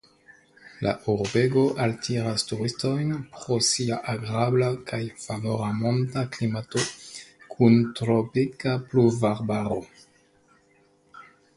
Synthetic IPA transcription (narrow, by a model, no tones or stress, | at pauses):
la̰ʔuɾbe̞ɡo̞ʔaltʰiɾastuɾisto̞jnpɾo̞siaʔaɡɾablakajfavoɾamontaklimatokʰuntɾopikapluvaɾbaɾo̞